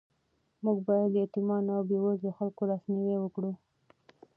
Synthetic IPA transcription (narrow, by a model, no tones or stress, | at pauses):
muɡbɑjad̪jɑt̪imɑnawbewazd̪əxalkolɑsmewewəkɽu